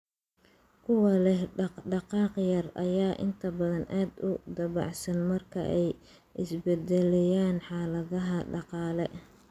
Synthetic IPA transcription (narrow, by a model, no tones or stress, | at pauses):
kʰʊwɑlɛɦɖɑqɑːqjɐrɐ̰jaːʔɪ̰nt̪ʰɐbɐðɐnʔaːd̪ʊd̪ɐβɑ̰ʕsɐnmɐrkʰɐ̰ʔɛj | ʔɪsbɛd̪ɛlɛjaːnħɑːlɐðɐɦɐɖɑqɑːlɛ